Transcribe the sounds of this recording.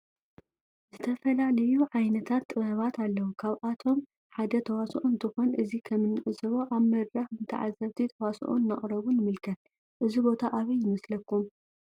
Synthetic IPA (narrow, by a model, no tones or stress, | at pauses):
zɨt̪ʰɐfɐlalɐjuʕajnɐt̪ʰat̪ːʼɨβɐβat̪alːɐwukʰaβʔat̪ʰo̞m | ħad̪ɐt̪ʰɐwasʔunt̪ʰɨxo̞nʔɨzikʰɐmːɨnːɨʔɨsʼɨβoʔaβmɐd̪ɾɐxɨnt̪ʰɐ̰ʕa̰zɐβt̪ʰit̪ʰɐwasʔṵnnːaχʼɾɐβunɨmɨlkʰɐt̪̚ | ʔɨzibo̞t̪ʰaʔaβɐjɪmɐslɐkːum